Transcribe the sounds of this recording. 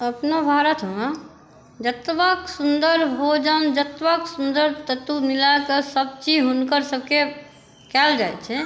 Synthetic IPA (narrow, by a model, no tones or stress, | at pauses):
əpnobʱaɾət̪ʰɦoa | d͡ʒət̪ʋəksund̪əɾɦod͡ʒəmd͡ʒət̪ʋəksund̪əɾt̪ət̪ːumilakəsəb̚t͡ʃid͡ʒɦunkəɾsəb̚ke | kɛld͡ʒaet͡ʃʰɛ